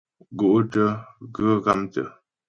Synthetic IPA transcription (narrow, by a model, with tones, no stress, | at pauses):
ɡo˨ʔtə˦ɣə˦ɣa˦mtə̰˨